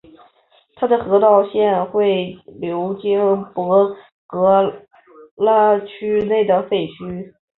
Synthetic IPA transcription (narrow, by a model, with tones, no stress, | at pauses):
t̪ʰa˥d̪ə˨xɤ˧˥t̪ɑ˥˧ʊɕjɛ˥˧nxwe˥˩ɪljo˧˥ʊt͡ɕi˥ŋpɤ˧˥ | kɤ˧˥ | la˥t͡ɕʰy˥ne˥˩ɪd̪ə˩fe˥˩ɪt͡ɕʰy˥